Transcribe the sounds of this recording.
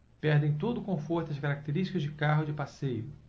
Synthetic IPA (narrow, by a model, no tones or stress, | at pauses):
pɛɾd̪ẽj̃t̪od̪ʊkõfoɾt̪ʊɐʃkaɾak̚t̪eɾiʃt͡ʃi̥kɐzd͡ʒɪkaɦʊd͡ʒɪpasejʊ